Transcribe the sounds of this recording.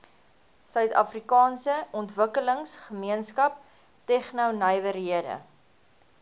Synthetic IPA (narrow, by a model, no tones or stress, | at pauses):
sœɥtɐ̰frikɑːnsəɔntvəkələŋsχəmiənskɐp | tɛχnəwnəjvəɾiədə̰